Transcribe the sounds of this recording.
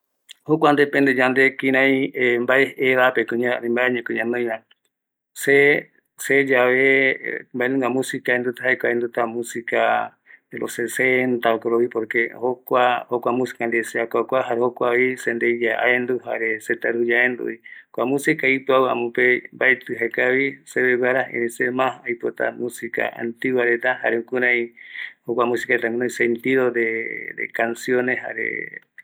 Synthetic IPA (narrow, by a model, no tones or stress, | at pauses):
hokʷand̪epend̪ed͡ʒand̪ekiɾ̃ãĩembaeeβapekɨɲanĩmbaeɲẽkɨɲãnõj̃ɾã | se | sed͡ʒaβembaenũŋɡamũsikaend̪ut̪aɦaekʷaend̪ut̪amũsika | elʔo̰sesent̪aokoɾoβipoɾkehokʷahokʷamũsi̥kand̪eseakʷakʷaɦaɾehokʷaβisend̪ejaa̰end̪uɦaɾeset̪aɾujaend̪ṵikʷamũsikaipɨawa̰mõpebaet̪ɨɦakaβiseβeβaɾaḛnẽsemãhajpot̪a̰musika̰a̰nt̪iwaɾet̪aha̰ɾeukuɾãjhokʷamũsi̥kaɾet̪aŋkunãĩsent̪iðod̪ed̪ḛkansjonehha̰ɾḛ